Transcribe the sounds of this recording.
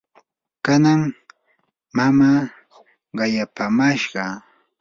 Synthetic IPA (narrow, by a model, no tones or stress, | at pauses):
kanaŋ | mamaː | ɢɑjapamaʃɢɑ